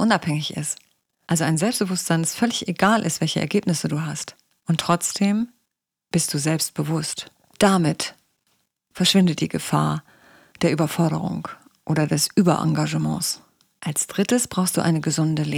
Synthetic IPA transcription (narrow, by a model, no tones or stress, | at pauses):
ʔʊnaphɛŋɪçɪ̰st | ʔalzoaɪnzɛlpst̚b̥əvʊstz̥aɪndasfœlɪçʔeɡaːlʔɪstv̥ɛlçəʔɛ̰ɐɡeːpnɪsəduːɦast | ʔʊntːʁ̥ɔt͡sd̥eːm | b̥ɪst̚d̥uːzɛlpst̚b̥əvʊst | d̥amɪt | fɛɐʃv̥ɪndət̚d̥iːɡəfa̰ːɐ | d̥eːɐʔyːbɐfɔɐɾə̰ʁ̞ʊ̰ŋ | ʔoːɾɐdɛsʔyːbɐ̰ʔa̰ŋɡaʒəmɑ̰̃ːs | ʔalsd̥ʁɪtəsb̥ʁaʊxstd̥ṵːʔa̰ɪnəɡəzʊndəleː